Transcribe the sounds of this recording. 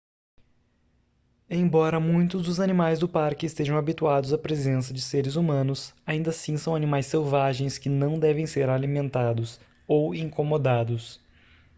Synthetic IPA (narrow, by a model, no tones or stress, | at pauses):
ẽj̃bɔɾɐmũj̃t̪ʊzd̪ʊzanimajzd̪ʊpaɾkɪːst̪eʒɐ̃w̃abit̪uad̪ʊzɐpɾezẽs̬ɐd͡ʒɪseɾɪzumɐ̃nʊsaĩnd̪ɐsĩsɐ̃w̃animajsewvaʒẽj̃skɪnɐ̃w̃d̪ɛvẽj̃seɾalimẽnt̪ad̪ʊs | owĩŋkomod̪ad̪ʊs